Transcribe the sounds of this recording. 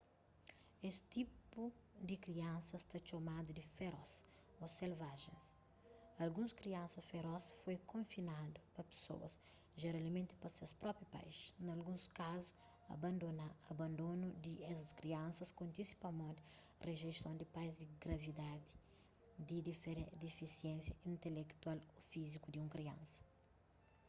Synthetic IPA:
est̪ipud̪ikɾiɐ̃nsɐst̪at͡ʃomad̪ud̪ifeɾɔs | oselvaʒḛ̃s | ɐlɡũskɾiɐ̃nsɐsfeɾɔsfojkõfinad̪upɐpe̥so̰wɐ̰s | ʒeɾalmẽnt̪i̥pɐsewspɾɔpɾjupa̰jsnɐlɡũskazu̥ | ɐ̰bɐ̃nd̪onaɐbɐ̃nd̪onud̪iɛsɐskɾiɐ̃nsɐskõnt̪isi̥pɐmõnt̪ɪ | rʔeʒest̪õnd̪ipajzd̪iɡɾɐvid̪ad̪i | d̪idfɾẽd̪ifisiẽnsjɐĩnt̪elekt̪walofizikud̪iũŋkɾiɐ̰̃nsɐ̥

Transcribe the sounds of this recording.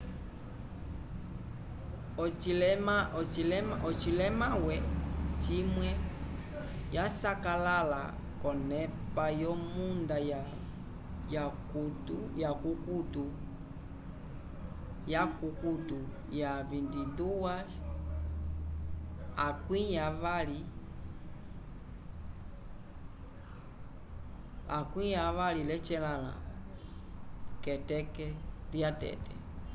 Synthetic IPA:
ɔimat͡ʃilɛmʔɔt͡ʃilɛmawɛt͡ʃimwɛ | jasakalala̰ | kɔnɛpajɔmundaja | jakutujakukutu | jakukutu | javindiduwa | akwiɲavali | akwijavalilɛt͡ʃɛlala̰ | kɛtɛkɛljatɛ̰tɛ

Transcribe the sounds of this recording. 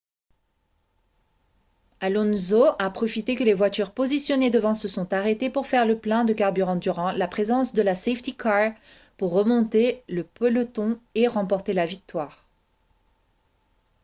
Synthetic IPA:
alɔnzoapχɔfit̪ekəlevwat̪yʁpozisjɔned̪əvɑ̃səsɔ̃t̪aʁet̪epuʁfɛʁləplɛ̃d̪əkaʁbyʁɑ̃d̪yʁɑ̃lapχezɑ̃sd̪əlaseft̪ikʰaʁ | puʁːəmɔ̃t̪eləpɔlət̪ɔ̃eʁɑ̃pɔʁt̪elavik̚t̪waːʁ

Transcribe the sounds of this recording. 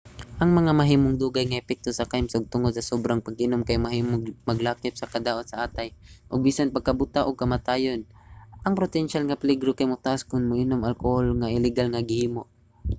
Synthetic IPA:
ʔɐŋmɐŋamɐɦiːmoŋd̪uːɡajŋɐʔɛpɛk̚t̪osɐkajmsoɡ̚t̪ʊŋod̪̚sɐsobɾaŋpɐɡɪnomkajmɐmɐɡlaːkɪp̚sɐkɐd̪aːʔot̪sɐʔaːt̪ajʔoɡ̚biːsanpɐɡ̚kɐbʊt̪aʔoɡ̚kɐmat̪aːjonʔɐŋpɾot̪ɛnʃalŋɐpɪliɡɾokajmʊt̪aʔaskʊnmʊʔɪnomʔalkoholŋɐʔɪlɛɡalŋɐɡɪhiːmoʔ

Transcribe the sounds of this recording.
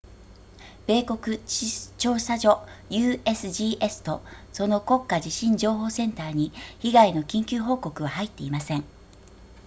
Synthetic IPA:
b̥e̞ːko̞kɯ̟t͡ɕo̞ːɕsaʑo̞jɯ̟ːesɨʑiːʔe̞sɨ̥t̪o̞so̞no̞ko̞kːad͡ʑiɕĩɲd͡ʑo̞ːɦo̞ːsẽ̞nt̪aːɲ̟içiɡaino̞kʲĩŋkʲɨːɦo̞ːko̞kɯ̟βahait̪ːe̞imasẽ̞ŋ

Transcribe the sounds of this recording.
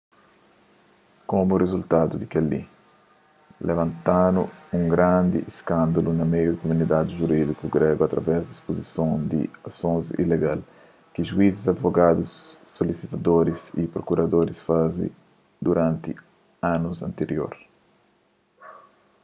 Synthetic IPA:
komurezult̪ad̪ud̪ikelːḭ | lʔevɐ̃nt̪anuũŋɡɾãnd̪ḭʔeskãnd̪ɐlunɐmejud̪ukomunid̪ad̪iʒuɾid̪ikuɡɾɛɡuat̪ɾɐvɛzd̪ispozisõnd̪ḭasõnzḭleɡal | kiʒuizizad̪voɡad̪usːolisit̪ad̪oɾisipɾokuɾɐd̪oɾisfazḭ | d̪uɾãnt̪i | ãnuzɐ̰̃nt̪eɾjo̰ɾ

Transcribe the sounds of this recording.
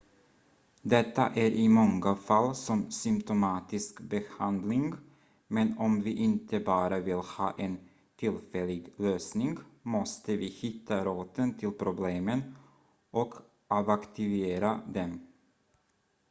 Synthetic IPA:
d̪ɛt̪ːa̰ʔæɾʔɪmɔŋːafalːsɔmsʏmpt̪ʊmɑːt̪ɪskbɛhand̪lɪŋɡ | mɛnɔmvɪʔɪnt̪ʰəbɑːɾavɪlhɑ̰ːʔen | t̪ʰɪlfɛlɪɡløːsnɪŋɡmɔst̪əvɪːhɪt̪ʰːaɾoːt̪ənt̪ʰɪlpʰɾʊbleːmən | ʔɔk | ʔavakt̪ɪveːɾad̪ɛm

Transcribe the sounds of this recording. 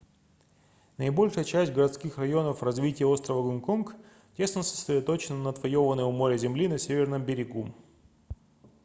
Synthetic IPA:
nəɪbo̞lʲʂɨjət͡ɕæsʲtʲɡəɾɐt̪skʲixrɐjo̞nəfrɐzvʲitʲɪjəo̞st̪ɾəvəɡʊnkonk | tʲe̞snəsə̥sʲɾʲɪd̪ɐt̪o̞t͡ɕɪnənəːt̪vɐjo̞vənəjəvmo̞ɾʲɪzʲɪmlʲinɐsʲevʲɪrnɨmbʲɪɾʲɪɡu

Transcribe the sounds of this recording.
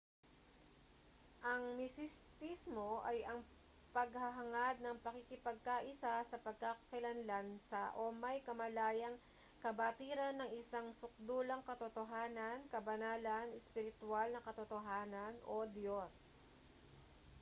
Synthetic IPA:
ʔɐŋmɪsɪst̪ismo̞ʔɐjɐŋ | pɐɡhɐɦɐŋad̪̚nɐŋpɐkikɪpɐɡ̚kaʔɪsasɐpɐɡ̚kakɐ̥kɪlɐnlansɐʔomɐjkɐmɐlaːjɐŋ | kɐbɐt̪iːɾɐnːɐŋɪsaŋsʊk̚d̪uːlɐŋkɐt̪ot̪oɦaːnɐnkɐbɐnaːlɐnɛspɪɾɪt̪ʊalnɐkɐt̪ot̪oɦaːnɐnʔod̪jos

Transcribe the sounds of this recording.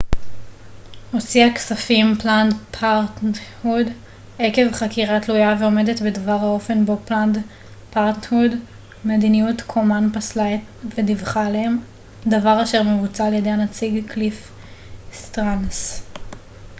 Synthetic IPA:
hot͡siaksafimplandpʰaʁtnhud | eke̞vχakiʁat̪lujaveo̞me̞de̞tbedavaʁhao̞fe̞nbo̞pland | paʁtnhud | medinijutkʰomanpaslaet | vedivχaleem | d̪avaʁaʃe̞ʁmevut͡saljedeanat͡siɡklif | st̪ʁans

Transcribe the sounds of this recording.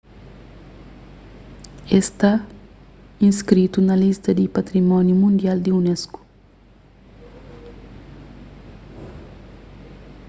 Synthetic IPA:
est̪a | ĩskɾit̪unɐlist̪ɐd̪ipɐt̪ɾimɔnjumũnd̪jald̪iunɛsku̥

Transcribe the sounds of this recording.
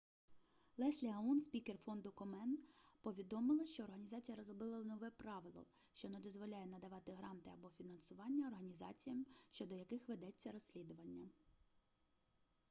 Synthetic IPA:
lˠɛsʲlʲiɦɐunsʲpʲikerfɔnd̪ʊkɔmɛnpɔʋʲid̪ɔmɪlˠɐʃt͡ʃɔːrɦɐnʲizɑt͡sʲijɐɾɔzɾɔbɪlˠɐwnɔʋɛpɾɑʋɪlˠɔ̰ | ʃt͡ʃɔnɛd̪ɔzʋɔlʲajɛnɐd̪ɐʋɑt̪ɪɦɾɑnt̪ɪɐbɔfʲinɐnsʊʋɑnʲːɐɔrɦɐnʲizɑ̰t͡sʲijɐmʃt͡ʃɔd̪ɔjɐkɪxʋed̪ɛt͡sʲːɐɾɔsʲlʲid̪ʊʋɐnʲːɐ

